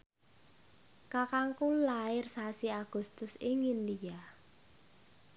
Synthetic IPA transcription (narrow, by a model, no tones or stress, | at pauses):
kakaŋkulaɪrsasiaɡ̥ʊ̤st̪ʊsɪŋindija